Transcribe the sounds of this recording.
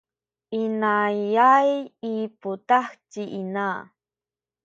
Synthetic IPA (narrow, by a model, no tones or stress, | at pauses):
inajajiput̪axtiʔina